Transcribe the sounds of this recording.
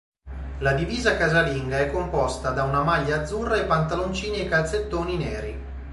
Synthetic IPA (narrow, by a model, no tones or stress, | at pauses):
lad̪iviːzakazaliŋɡaɛkːompɔst̪ad̪aunamaʎːaːd̪zːurːaepːant̪alont͡ʃiːniekːalt̪set̪ːoːninɛːɾi